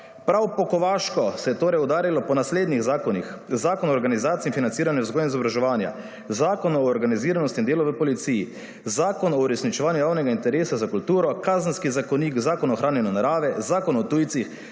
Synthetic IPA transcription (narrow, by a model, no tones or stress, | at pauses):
pɾawpɔkɔʋaːʃkɔsɛjɛt̪oːɾɛjud̪aːɾilɔpɔnasleːd̪niɣzaːkɔnixzaːkɔnɔːɾɡanizaːt̪sinfinant̪siːɾanjɛwzɡɔːjɛnizɔbɾaʒɛʋaːnja̰ | zaːkɔnɔːɾɡaniziːɾanɔst̪ind̪eːlɔʋəpɔlit̪siji | zaːkɔnɔuɾɛsnit͡ʃɛʋaːnjujaːwnɛɡaint̪ɛɾeːsazakult̪uːɾɔkaːzənskizakɔniːkzaːkɔnɔxɾʔaːnjɛnɔnaɾaːʋɛzaːkɔnɔt̪uːjt̪six